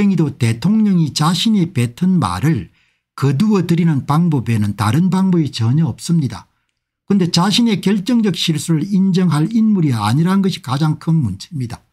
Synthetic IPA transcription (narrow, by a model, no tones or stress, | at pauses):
eŋidote̞tʰoŋɲʌŋit͡ɕaɕʰine̞pe̞tʰɯnma̰ɾɯɭ | kʌduɡʌtɯɾinɯnpaŋbʌbenɯnta̰ɾɯnbaŋbʌbet͡ɕʌɲʌʌp̚s͈ɯmɲida̰ | kɯnde̞t͡ɕaɕʰine̞kjʌɭt͡ɕ͈ʌŋd͡ʑʌk̚ɕʰiɭs͈uɾɯɾind͡ʑʌŋɦaɭinmuɾia̰ɲiɾaɯnɡʌɕʰi̥kad͡ʑaŋkʰɯnmunt͡ɕʰemɲida